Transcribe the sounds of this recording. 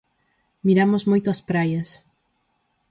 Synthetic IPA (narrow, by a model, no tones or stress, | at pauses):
miɾamʊzmojt̪ʊɐspɾajɐs